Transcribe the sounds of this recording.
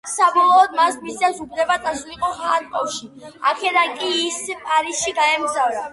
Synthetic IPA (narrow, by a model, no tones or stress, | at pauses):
sabɔlˠɔːd̪̚masmiszɛsupʰɾɛbat̪sʼasuliqʼɔhaːɾkʼɔfʃia̰kʰɛd̪ankʼiːspʼaɾisʃiɡaɛmɡzavɾa